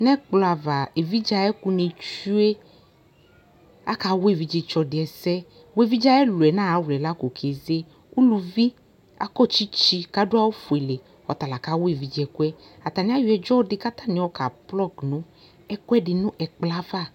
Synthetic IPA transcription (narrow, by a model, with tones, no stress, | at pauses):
nɛ̃˦k͡plɔ˨a˨va˨e˨vi˦d͡ʒa˦ɛ˦ku˦ne˨t͡ʃu˦e˦ | a̰˦ka˨wo˦e˦˨vi˨d͡ʒi˨t͡ʃɔ˨dɪ˨ɛ˨sɛ˦ | wo˦˨vi˦d͡ʒa˦ɛ˦lu˨ɛ˨nã˦˨a˦wlɛ˨la˦ko˨kʰe˨ze˦ | u˦lu˨vi˦ | a̰˦kɔ˦t͡ʃi˦t͡ʃi˦ka˦ɖʊ˦a˦wo˦fu˨ɛ˨le˨ | ɔ̰˨t̪a˨la˨ka˨˦wo˦e˨vi˨d͡ʒɛ˨ku˦ɛ˦a˨t̪a˨nĩ˦a˦ju˨˦ɛ˨d͡ʒɔ˦dɪ˦ka˦t̪ã˦nɪ̃˨wɔ˦ka˨plɔ˦˨knũ˦ | ɛ˦ku˦ɛ˦ɖɪ˨nũ˦ʔɛ˨k͡pla˦va˦˨